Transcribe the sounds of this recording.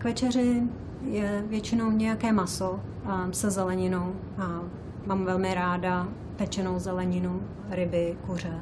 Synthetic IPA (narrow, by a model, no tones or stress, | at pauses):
kvɛt͡ʃɛr̝ɪ | jɛvjɛt͡ʃɪno̞wɲɛjakɛːmasosɛzɛlɛɲɪnow | maːmvɛlmɪɾaːda | pɛt͡ʃɛnowzɛlɛɲɪnu | ɾɪbɪkur̝ɛ